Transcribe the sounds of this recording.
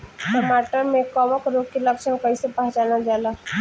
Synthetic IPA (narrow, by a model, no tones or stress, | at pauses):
ʈəmaːʈəɾmẽkɔʋəkɾoːkilɐkʃəmkəĩsepɐɦd͡ʒaːnad͡ʒaːla